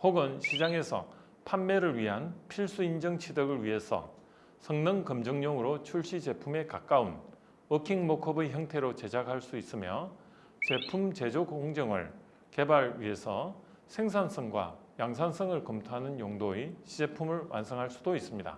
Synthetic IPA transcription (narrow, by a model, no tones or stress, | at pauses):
hoɡɯnɕʰid͡ʑaŋe̞sʰʌ̰ | pʰanːeɾɯɭɥiɦanpʰiɭs͈uind͡ʑʌŋt͡ɕʰidʌɡɯɭɥiɦe̞sʰʌ̰ | sʰʌŋnɯŋkɯmd͡ʑʌŋɲʌŋɯɾot͡ɕʰuɭɕ͈id͡ʑe̞pʰume̞kak͈aun | ɯkʰiŋmokʰɯbeçjʌŋtʰe̞ɾot͡ɕe̞d͡ʑakɦaɭs͈uis͈ɯmjʌ̰ | t͡ɕe̞pʰumt͡ɕe̞d͡ʑoɡ̚hoŋd͡ʑʌŋɯ̰ɭ | ke̞baɭɥḭɦe̞sʰʌ | sʰe̞ŋsʰans͈ʰʌŋɡwa̰jaŋs̬ʰansʰʌŋɯɭkʌmtʰoɦanɯnjoŋdoeɕʰid͡ʑe̞pʰumɯɭwʔa̰nsʰʌŋɦaɭs͈udois͈ɯmɲida̰